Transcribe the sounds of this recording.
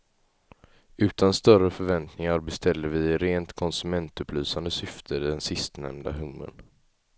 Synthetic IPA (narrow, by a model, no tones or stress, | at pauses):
ʉ̟ːt̪ʰanst̪œɾəfœɾvɛnt̪nɪŋaɾbɛst̪ʰɛlːəɾvɪɾeːnt̪kʰɔnsɵmɛnt̪ɵpʰlyːsand̪əsʏft̪ʰəd̪ɛnsɪst̪nɛ̰md̪a̰ɦɵmːə̰n